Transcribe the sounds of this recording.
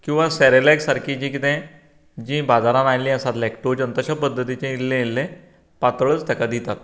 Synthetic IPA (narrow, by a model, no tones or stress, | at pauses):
kĩw̃ʋãsɛɾelɛksaɾkʰid͡ʑĩkit̪ɛ̃ | d͡ʑĩbad͡zaɾãnajlĩəsat̪lɛkʈod͡ʑənt̪əɕapəd̪ʱːət̪it͡ɕẽilːẽilːẽ | pat̪ɭət͡st̪əkad̪it̪at̪̚